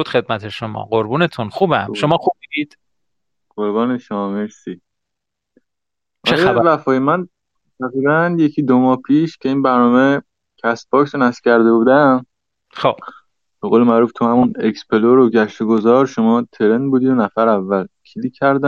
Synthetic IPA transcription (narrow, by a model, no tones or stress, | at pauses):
ud̪̥xed̪̚mæt̪ʰeʃomɒ̰ːɢoɾbuːnet̪ʰunxuːbæmʃomɒːxubiid̪̥ | ɢ̥oɾbɒːne̞ʃomɒːmeɾsiː | ʔt͡ʃæeævæfɒːjemæn | t̪ʰæɣɾiːbænje̞cʰiːd̪omɒːhpʰiːʃcʰe̞iːnbæɾnɒːme | cʰæsbɒːksonæsfcʰæɾd̪e̞buːd̪æm | xob | b̥eɣoːlemæʔɾuːft̪ʰuhæmune̞kspʰe̞loɾoɟæʃt̪oɡo̞zɒːɾʃomɒːt̪ʰe̞ɾend̪̚buːd̪iːd̪onæfæɾævːælcʰiliːcʰæɾd̪æm